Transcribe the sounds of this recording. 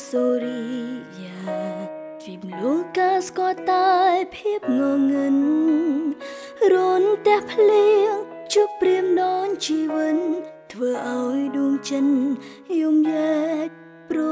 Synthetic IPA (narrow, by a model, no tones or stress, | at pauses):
soːɾijaː | t̪ʰʋiːp̚mnuhkaːskoət̪ajpʰiəp̚ŋɔŋɨn | ruənt̪ɛ̆əhpʰliəŋ | t͡ɕupːriəmɗɔːŋt͡ɕiːʋɨnt̪ʰʋəːʔaɔjɗuəŋt͡ɕən | jumjɛː | pro